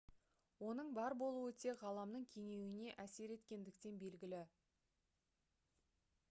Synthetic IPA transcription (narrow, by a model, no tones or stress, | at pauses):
wo̞nəɴbɑɾbo̞lˠuwɵt̪e̞ʁɑlˠɑmnəɴkʲʰe̞ŋe̞wɪne̞ʔæse̞ɾe̞t̪kʲe̞nd̪ɪkt̪e̞nbe̞lɡʲɪlɪ